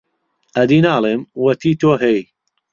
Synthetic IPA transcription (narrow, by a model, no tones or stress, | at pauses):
ʔɐd̪iːnaːlˠeːmwɐt̪iːt̪oːɦɐj